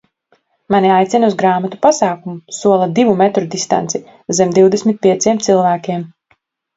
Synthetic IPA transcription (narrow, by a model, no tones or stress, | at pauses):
maniajt̪sʲinuzɡɾaːmat̪upasaːkumusuɔlˠad̪ivumɛt̪ɾud̪ist̪a̰nt̪si | zemd̪iwd̪esmit̪̚pʲiɛt̪siɛmt̪silˠvæːkʲiɛm